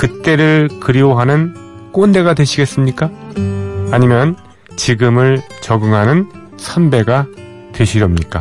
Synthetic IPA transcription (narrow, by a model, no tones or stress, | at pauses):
kɯt͈e̞ɾɯɭkɯɾioɦanɯnk͈onde̞ɡadwe̞ɕʰiɡe̞s͈ɯmɲik͈aː | ɲimjʌn | t͡ɕiɡɯmɯɭt͡ɕʌɡɯŋɦanɯn | sʰʌnbe̞ɡa | twe̞ɕʰiɾʌmɲik͈a̰